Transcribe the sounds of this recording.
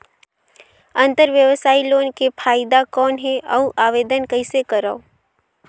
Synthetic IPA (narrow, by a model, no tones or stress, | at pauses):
ɐ̃nt̪əɾʋjəʋsaːiloːnkepʰaːɪd̪akɔːnɦɛʔɐuʔaːʋeːd̪ənkɐɪsekəɾaoː